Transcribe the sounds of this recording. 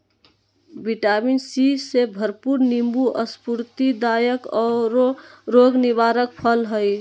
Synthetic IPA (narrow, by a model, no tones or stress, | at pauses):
biʈaminsisebʱəɾpuɾnimbuʔəspuɾt̪id̪ajəkɔːɾɾoɡnibaɾək̚pʰəlɦəj